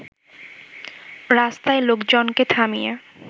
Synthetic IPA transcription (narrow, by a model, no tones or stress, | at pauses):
ɾast̪aelokd͡ʑonket̪ʰamije